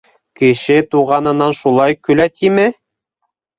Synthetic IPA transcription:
kɘ̆ʃɘt̪uʁɑnɤ̆nɑnʃulˠɑjkɵ̆læt̪imɘ

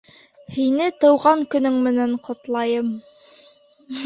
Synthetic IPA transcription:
hinɘt̪ɤ̆wʁɑŋkɵ̆nɵŋmɘ̆næɴqʰŏt̪lˠɑjɤm

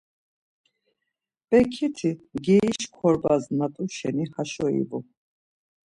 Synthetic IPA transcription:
b̥ʼɛkʰit̪ʰiɡɛiʃkʰɔɾbaznat̪ʼuʃɛ̰nihaʃɔḭbu

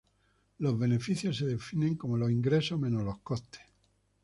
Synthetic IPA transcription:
lo̞zβe̞ne̞fiθjoseðe̞fineŋkomolosiŋɡɾe̞soɦmẽnolo̞hkoht̪e̥

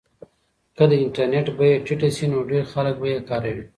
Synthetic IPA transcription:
kəd̪əɪɳʈaɾneʈbajeʈiʈasinoɖeɾxalək̚bajekɑːɾawi

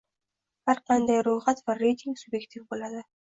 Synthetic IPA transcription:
ɑɾqʰɑnd̪ɑjɾulˠʁɑt̪varːejt̪ʲiŋksubjektʲifbolˠɑd̪ɯ

